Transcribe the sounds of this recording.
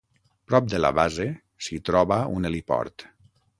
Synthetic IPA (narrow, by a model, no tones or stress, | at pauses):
pɾɔp̚d̪ela̰βaze | sit̪ɾɔβaunelipɔ̰ɾt̪